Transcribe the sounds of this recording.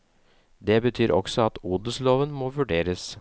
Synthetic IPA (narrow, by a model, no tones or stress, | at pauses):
d̪ɛbət̪ʰyːɾʔɔ̰ksɔɑt̪uːd̪əsloːʋənmoːʋʉɖeːɾəs